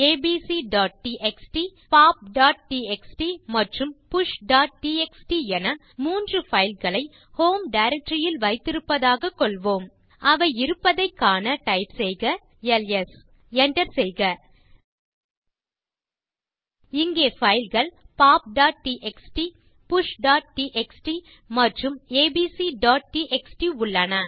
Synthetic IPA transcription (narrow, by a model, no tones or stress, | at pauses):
eːbiːsiɖaːʈ̚ʈiʔɛksʈipaːp̚ɖaːʈ̚ʈiɛksʈimɐʈrɯmpʊʂɖaːʈ̚ʈiːɛksʈiɛnɐ | muːndrɯfɐɪlɣɐɭɐɪ | hoːmɖɐɪɾɛk̚ʈɾɪjɪlʋɐɪt̪ːɪɾɯpːɐðaːɣɐkːɔɭʋoːm | ɐʋɐɪɪɾɯpːɐðɐɪkːaːnɐʈɐɪpsɛjɣɐ | ɛlɛs | ɛɳʈɐɾsɛjɣɐ | ɪŋɡeːfɐɪlɣɐɭpaːp̚ɖaːʈ̚ʈiʔɛksʈi | pʊʂɖaːʈ̚ʈiʔɛksʈi | mɐʈrɯmeːbiːsiɖaːʈ̚ʈiʔɛksʈiʊɭːɐnɐ